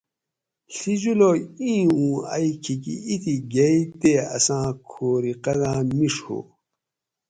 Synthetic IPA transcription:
ɬid͡ʑuloĩːũːa̰jkʰikḭit̪iɡejt̪eːɐ̰sãːkʰoːɾiqɐdãːmiʂho̰

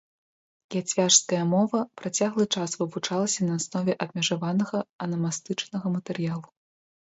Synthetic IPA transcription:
jʲat͡sʲvʲaʂskɐjɐmɔvɐpɾat͡sʲaɣlˠɨt͡ʂasvɨvut͡ʂalˠɐsʲɐnɐːsnɔvʲɛʔɐb̚ʲmʲɐʐavanɐɣɐɐnɐmast̪ɨt͡ʂnɐɣɐmɐt̪ɛrjalˠu

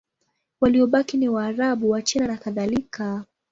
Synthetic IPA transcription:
waliɔɓakinɛwaːɾaɓuwat͡ʃɛnanakaðalika

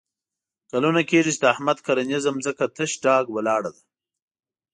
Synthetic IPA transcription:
kalunakeʐit͡ʃd̪aːhmad̪kaɾanizamzəkat̪ʰəʃɖɑːɡwalɑːɽad̪a

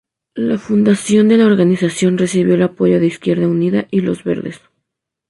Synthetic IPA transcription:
lafund̪asjo̞nd̪e̞lao̞ɾɣanisasjo̞nre̞siβjo̞elapo̞ʝo̞ðeiskje̞ɾðauniðaʔilo̞zβe̞̰ɾðes

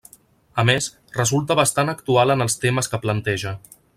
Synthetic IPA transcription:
əmes | rəzulˠt̪əβəst̪anəkt̪ualənəlˠst̪eməskəplənt̪ɛʒə

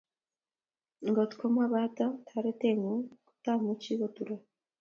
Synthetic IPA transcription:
ŋɡotu̥komaβaːtatʰaɾeteŋuku̥tamuciβotuɾa

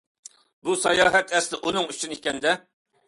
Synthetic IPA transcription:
busɑjɑːɦɛt̪ɛst̪ɪʔunɨŋyt͡ʃʰynikʲɛnd̪ɛ

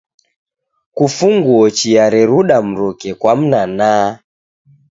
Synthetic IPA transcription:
kufuŋɡuɔt͡ʃiaɾɛɾuɗam̩ɾɔkɛkwam̩nanaː

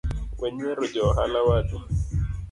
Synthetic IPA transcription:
wɛɲɛɾɔd͡ʒɔɦa̰lawatu

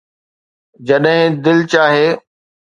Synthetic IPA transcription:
d͡ʑɐɗɦɪ̃d̪ɪlt͡ɕaːɦeː

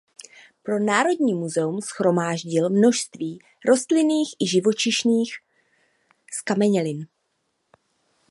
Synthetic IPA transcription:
pɾo̞naːɾo̞dɲiːmuzɛumsxɾo̞maːʒɟɪlmno̞ʃst̪viː | ɾo̞st̪lɪniːxʔɪʒɪvo̞t͡ʃɪʃniːx | skamɛɲɛlɪn

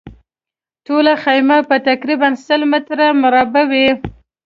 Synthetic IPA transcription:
ʈolaxajmapət̪akɾibansəlmɪt̪ɾamʊɾɑbawi

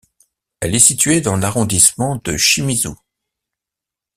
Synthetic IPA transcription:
ɛlɛsit̪ɥed̪ɑ̃laʁɔ̃d̪ismɑ̃d̪əʃimizṵ

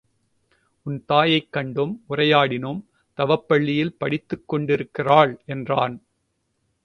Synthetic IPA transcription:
ʔʊnt̪aːjɐɪkːɐɳɖɯmʊrɐjaːɽɪnɯm | t̪ɐʋɐpːɐɭːɪjɪlpɐɽɪt̪ːɯkːɔɳɖɪɾɯkːɪraːɭʔɛndraːn

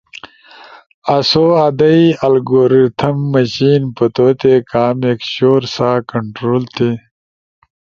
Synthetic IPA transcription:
ɐsoːad̪ɐiɐlɡoːɾit̪ʰɐmːɐɕiːnpət̪oːt̪ekaːmeːkɕoːɾsaːkɐɳʈɾoːlt̪e

